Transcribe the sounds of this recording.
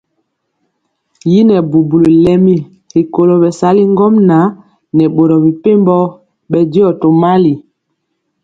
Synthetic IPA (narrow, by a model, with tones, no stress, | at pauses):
ji˦nɛ˨bu˨bu˨lo˨lɛ˦mi˦ | hi˨ko˨lo˨bɛ˨sa˨˦li˦ŋ˦ɡɔ˦mna˨˦ | nɛ˨ɓo˨ɾɔ˨bi˨pe˦mbɔ˦ | ɓɛ˨di˦ɔ˦˨to˨ma˦li˨